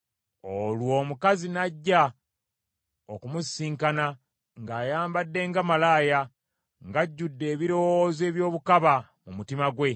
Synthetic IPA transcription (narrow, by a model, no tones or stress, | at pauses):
olwo̞ːmukazinaɟːa | okumusiːŋkana | ŋɡaːjaːmbadːe̞ːŋɡamalaːja | ŋɡaɟːudːe̞ːβiɾo̞woːze̞ːβjo̞ːβukaβamumutimaɡwe̞